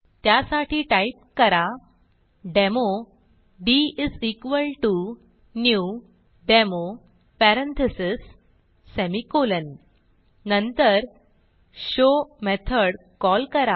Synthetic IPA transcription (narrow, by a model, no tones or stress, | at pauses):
t̪jasaʈʰiːʈaip̚kəɾa | ɖemo | ɖiisikʋəlʈu | nju | ɖemo | pɛɾə̃nt̪ʰəsisː | emikolənː | ənt̪əɾ | ɕomet̪ʰəɽ | kɔlkəɾa